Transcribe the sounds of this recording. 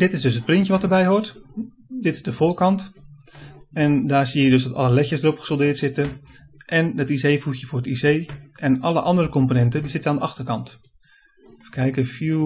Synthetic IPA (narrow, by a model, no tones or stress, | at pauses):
d̥ɪtɪsdøsət̚prɪntjəʋɔtərbɛjhort | dɪtɪsdəfoːkɑnt | ɛndaːɹsiəjədøsdɔtɑ̰ləlɛçəsdərɔpχə̥solˠdɪətsɪtə | ʔɛndɔtisejfutjəfʊːrətisejʔɛnɑlˠəʔɑndərəkɔmponɛntədizɪtəandəʔɑxtərkɑnt | fəkʰɛjkəfju